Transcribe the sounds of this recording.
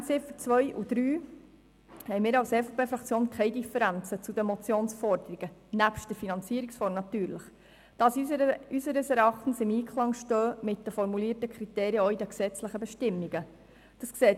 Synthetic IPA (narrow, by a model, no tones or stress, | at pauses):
sɪfət͡sʋœjʔṵd̥ɾyː | hɛjmɪːɾɑwsɛfopeːfɾɑkt͡sjoːnkʰχɛɪdifəɾænt͡sət͡sudəmɔt͡sjoːnsfɔɾdəɾiɡ̥ənæpʃtdəɾfinɑnt͡siəɾiksfɔɾmnɑt̪yːɾləχ | d̥ɑsysəɾəsɛɾɑχtn̩sɪmiːkʰlˠɑŋʃtœːmɪt̚dəfɔɾmuliːətəkʰχɾiteːɾjəɔidəksɛt͡sləχəbɛʃtɪmːiɡə | d̥ɑskseːt